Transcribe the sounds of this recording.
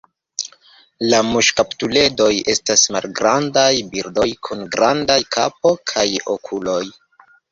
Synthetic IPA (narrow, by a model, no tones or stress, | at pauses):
lamuʃkaptule̞do̞je̞stasma̰lɡɾandajbiɾdo̞jkʰunɡɾandajkʰap̚o̞kʰajo̞̰kʰulo̞j